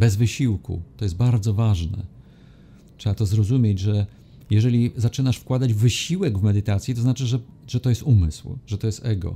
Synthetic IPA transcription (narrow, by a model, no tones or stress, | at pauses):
bɛzvɘɕiwkṵt̪ɔjɛst̪̚baɾd̪zɔvaʐnɛ̰ | tʂɛat̪ɔzɾɔzumʲjed͡ʑʐɛ | jɛʐɛlʲizat͡ʂɘnaʂfkwad̪ad͡ʑvɘɕiwɛɡvmɛd̪ɘt̪at̪sjit̪ɔznat͡ʂɘʐɛʐɛt̪ɔjɛst̪umɘ̰swʐɛt̪ɔjɛst̪ɛɡɔ̰